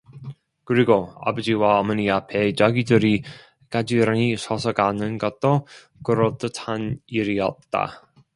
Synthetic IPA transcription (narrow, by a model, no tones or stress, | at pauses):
kɯɾiɡoa̰bɯd͡ʑiwaʌmʌniapʰet͡ɕaɡidɯɾi | kad͡ʑiɾanisʰʌsʰʌɡanɯnɡʌt̚t͈o | kɯɾʌt͈ɯtʰaniɾiʌ̰t̚t͈a̰